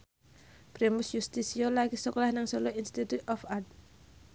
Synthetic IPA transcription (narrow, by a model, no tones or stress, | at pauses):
b̥ɾemʊsjust̪isiolaɡisɔkɔlahnaŋsɔloinst̪it̪ut̪ʔɔfat̪̚